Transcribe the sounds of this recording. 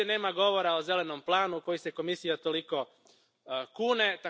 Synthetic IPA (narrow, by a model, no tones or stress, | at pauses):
ene̞ːmaɡo̞ʋo̞ɾaoze̞le̞nomplˠaːnuko̞jise̞ko̞misijat̪o̞liko̞ | kuːne̞t̪a